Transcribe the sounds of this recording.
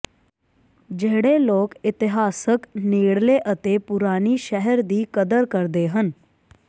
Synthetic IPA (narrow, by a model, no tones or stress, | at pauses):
d͡ʒeɦɽeloːkɪt̪ɪɦaːsəkneːɽleʔət̪epʊɾaːniʃɛɦəɾd̪iːkəd̪əɾkəɾd̪eɦən